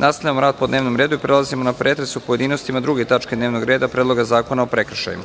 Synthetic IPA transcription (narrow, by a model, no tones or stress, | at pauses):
nast̪aʎamoɾaːd̪̚po̞d̪neʋno̞mɾed̪uipɾe̞lˠazimo̞napɾe̞t̪ɾesupoje̞d̪iːno̞st̪imad̪ɾuɡet̪at͡ʃked̪neʋno̞ɡɾeːd̪apɾe̞ːd̪lˠo̞ɡazaːko̞naopɾe̞kr̩ʃa̰jḭma